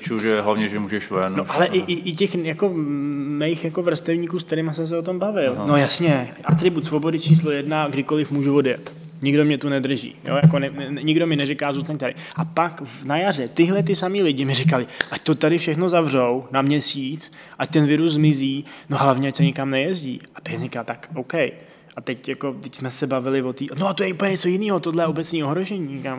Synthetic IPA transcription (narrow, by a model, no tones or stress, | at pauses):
t͡ʃuʒɛɦlavɲɛʒɛmuːʒɛʃvɛnnoʔalɛʔɪʔɪʔɪcɛxjako̞mɛjxjako̞vr̩st̪ɛvɲiːkuːskt̪ɛɾɪmasɛms̬ɛot̪o̞mbavɪlnojasɲɛʔat̪ɾɪbut̪svo̞bo̞dɪt͡ʃiːslo̞jɛdnaɡdɪko̞lɪfmuːʒuvo̞djɛt̪ | ɲɪɡdo̞mɲɛt̪unɛd̪r̩ʒḭːjo̰jako̞nɛɲɪɡdo̞mɪnɛɾikaːzuːst̪naɲ̚t̪adɪ | ʔapakvnajarɛt̪ɪɦlɛt̪̬ɪsamiːlɪɟɪmɪɾɪkalɪʔact̪o̞t̪adɪfʃɛxno̞zavr̝o̞wnamɲɛsiːt͡s | ʔac̚t̪ɛnvɪɾus̬zmɪziːnoɦlavɲɛacsɛɲɪkamnɛjɛzɟḭːapɪɛɾɪkalt̪akʔowkɛj | ʔat̪ɛcjako̞t̪ɛcsmɛsɛbavɪlɪvo̞t̪iːnoat̪ojɛʔupəl̩ɲɛɲɛt͡so̞jɪniːɦot̪odlɛjɛobɛt͡sɲiːoɦɾoʒɛɲiːɲɛkam